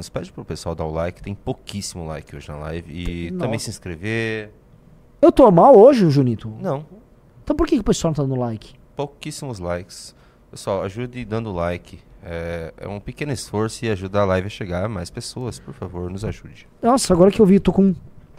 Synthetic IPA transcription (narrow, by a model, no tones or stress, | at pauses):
nʊspɛd͡ʒɪpɾʊpesuawd̪aɾʊlajkɪt̪ẽj̃pokisimʊla̰jkɪoʒɪnɐ̰la̰jvɪɪt̪ɐ̃bẽj̃sɪĩskɾeve | ewt̪omawoʒɪʊʒunit̪ʊnɐ̃w̃ | ẽt̪ɐ̃w̃poɾkekɪʊpesuawñɐ̃t̪d̪ɐ̃d̪ʊlajkɪ̥ | pokisimʊzlajkɪ̥s | pewsawaʒud̪ɪd̪ɐ̃nd̪ʊlajkʰɪɛɛ̰ũpekẽnʊɪsfoɾsʊɪaʒud̪ɐalajvɪɐʃeɡaɾmajspesoɐspoɾfavoɾnʊzaʒud͡ʒɪ̥nɔsɐaɡɔɾɐkɪewvit̪okõ